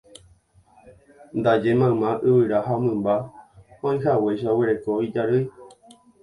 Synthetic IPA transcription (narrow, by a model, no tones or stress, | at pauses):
nd̪ad͡ʒemãmãʔɨβɨɾaɦamɨ̃mbaãj̃ɦawejʃaoweɾekoid͡ʒaɾɨj